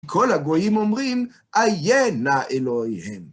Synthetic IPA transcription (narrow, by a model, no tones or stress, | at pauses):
kʰolaɡojimomʁim | ʔajenaʔeloihem